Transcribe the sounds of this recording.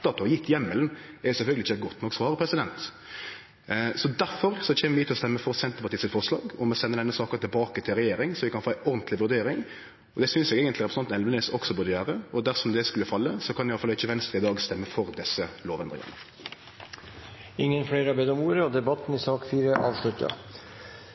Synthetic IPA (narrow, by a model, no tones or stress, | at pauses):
t̪ːɑt̪ʰːɔɑjɪt̪ʰːjɛmːələnɛɾjʊsɛfœɡəlɪçːəɛɡɔt̪ːnɔksʋɑːɾəpʰɾɛsɪd̪ɛnt̪ | sɔd̪æɾfɔɾsɔc͡çʰɛːməʋʉːt̪ɪlɔst̪ɛmːəfɔɾsɛnt̪əpɑt̪iːsɪlfɔʁʂlɑ̰ːɡɔmɛsɛnːəd̪ɛnːəsɑːkət̪ʰɪlbɑːkət̪ʰɪlɾɛjeːɾɪŋsɔʋɪkʰɑnfoːæɪʔɔɾnt̪lɪʋʉɾd̪eːɾɪŋ | ɔd̪ɛsʏnsɛːɡeːɡənt̪lɪɾɛpɾəsɑt̪ɛlnənɛsɔksɔbʉːd̪əjøːɾəɔd̪æɾsɔmd̪ɛskʉlːəfɑlːəsɔkʰɑnɪɑləfɑlɪçːəʋɛnst̪ɾəɪd̪ɑːɡst̪ɛmːəfɔɾd̪ɛsːəloːʋɛnd̪ʁɪ̰ŋə̰nə | ɪŋːənfɽeːɾɑbed̪ɔmuːɾəɔd̪ɛbɑt̪ːn̩ɪsɑːkfiːɾəʔɑ̰ːʋʂlʉt̪ə̰